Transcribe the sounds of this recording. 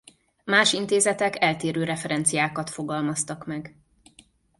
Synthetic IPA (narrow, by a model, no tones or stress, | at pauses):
maːʃint̪eːzɛt̪ɛkɛlt̪eːɾøːɾɛfɛɾɛnt̪sijaːkɒt̪fo̞ɡɒlmɒst̪ɒkmɛɡ